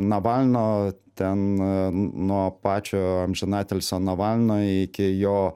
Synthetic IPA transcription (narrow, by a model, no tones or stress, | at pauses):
nɐʋɑlʲnoːt̪ʲɛn | nuɔpɑːt͡ʃʲoːɐmʲʒʲɪnɑːt̪ʲɛlʲsʲoːnɐʋɑlʲnoːɪkʲɪjoː